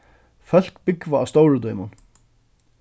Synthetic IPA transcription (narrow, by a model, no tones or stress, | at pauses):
fœl̥kbɪkvaːst̪owɹəd̪ɔʏmʊn